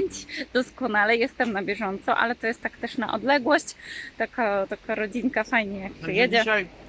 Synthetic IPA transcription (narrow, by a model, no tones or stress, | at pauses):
ɲt͡ɕd̪̥ɔskɔnalɛjɛst̪ɛmnabʲjɛʐɔnt̪sɔʔa̰lɛt̪ɔjɛst̪ːakt̪ɛʂna̰ʔɔ̰d̪lɛɡwɔɕt͡ɕt̪akat̪akaɾɔd͡ʑiŋkafajɲɛjak̚pɛjɛd͡ʑɛ